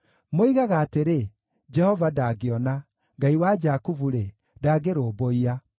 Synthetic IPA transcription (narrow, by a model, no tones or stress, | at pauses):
moiɣaɣaːteɾe | d͡ʒɛhɔvadaɡeɔna | ŋɡaiwad͡ʒakuvuɾe | daːɡeɾoːboia